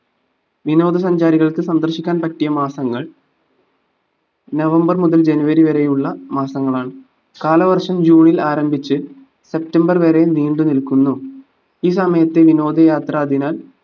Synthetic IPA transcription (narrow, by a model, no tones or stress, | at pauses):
ʋino̞ːd̪ʱɐs̬ɐɲd͡ʑaːɾiɣɐɭkɨsɐnd̪ɐrɕikʲːaːnpɐʈːijɐmaːsɐŋːɐɭ | nɐʋɐmbɐrmuðɐld͡ʑe̞nuʋɐɾiʋɐɾe̞juɭːɐmaːsɐŋːɐɭaːɳɨ | kaːlɐʋɐrʂɐmd͡ʑuːɳilaːɾɐmbʱit͡ɕːɨ | se̞p̚tɐmbɐrʋeɾe̞niːɳɖɨnilkunːu | iːs̬ɐmɐjɐt̪ːe̞ʋino̞ːd̪ʱɐjaːt̪rɐːd̪ʱinaːl